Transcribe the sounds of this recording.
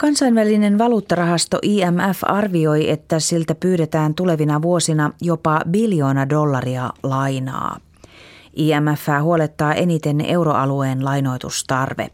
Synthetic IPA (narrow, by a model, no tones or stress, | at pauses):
kɑnsɑjnʋæline̞nʋɑluːt̪ːɑrɑɦɑst̪o̞̰ʔiːæmæfɑrʋio̞je̞t̪ːæsilt̪æpyːɾe̞t̪æːnt̪ule̞ʋinɑʋuo̞sinɑjo̞pɑbiljo̞ːnɑdo̞lːɑriɑlɑjnɑ̰ː | ʔiːæmæfːæːɦuo̞let̪ːɑːʔe̞nit̪e̞ne̞wɾo̞ʔɑlue̞ːnlɑjno̞jt̪ust̪ɑrʋḛ